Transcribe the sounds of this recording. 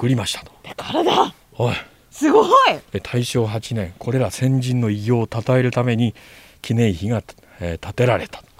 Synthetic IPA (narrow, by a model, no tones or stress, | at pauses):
kɯ̟ɾʲimaɕi̥t̪ʰḁt̪o̥d̪̥akaɾad̪a | hoi | sɨɡoiet̪ʰaiɕo̞ːɦat͡ɕinẽ̞ŋkʰo̞ɾe̞ɾasẽ̞ɲd͡ʑĩnːo̞iɡʲo̞ːt̪at̪aeɾɯ̟t̪ame̞ɲ̟i | kʲinẽ̞ɰ̃çiɡa | t̪at̪e̞ɾaɾe̞t̪ḁt̪o̥